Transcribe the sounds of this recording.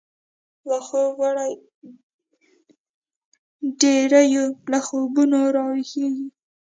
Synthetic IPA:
laxowaɽaj | ɖeɾajolaxobunoɾɑwixeɡi

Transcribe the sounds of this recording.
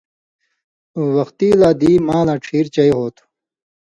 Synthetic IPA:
wʌxt̪iːlaːd̪iːmaːlaːʈ͡ʂʰiːɾt͡ɕɐjhoːt̪ʰ

